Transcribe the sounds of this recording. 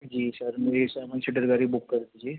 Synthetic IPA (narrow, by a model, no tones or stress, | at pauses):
d͡ʒiːsɐɾmeːɾisaɪmənsɪʈəɾɡaːɾibʊkːɐɾd̪id͡ʒieː